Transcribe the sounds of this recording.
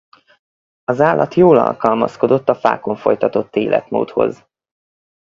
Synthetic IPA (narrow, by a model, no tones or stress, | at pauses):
ɒzaːlːɒt̪joːlɒ̰lkɒlmɒ̰sko̞d̪o̞t̪ːɒfa̰ːko̞ɱfo̞jt̪ɒt̪o̞t̪ːeːlʔɛt̪mo̰ːt̪ho̞̰z